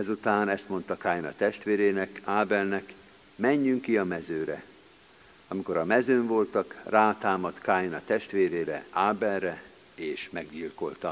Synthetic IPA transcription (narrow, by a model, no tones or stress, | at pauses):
ɛzut̪aːnɛst̪mo̞nt̪ɒkaːjnɒ̰t̪ɛʃt̪ʋeːɾeːnɛkaːbɛlnɛk | mɛɲːyŋkːiɒmɛzøːɾɛ̰ | ɒmiko̞ɾɒmɛzøːɱvo̞lt̪ɒkraːt̪aːmɒt̪kaːjnɒt̪ɛʃt̪ʋeːɾeːɾɛ̰aːbɛlrɛ | eːʃmɛɡɟilko̞̰lt̪ɒ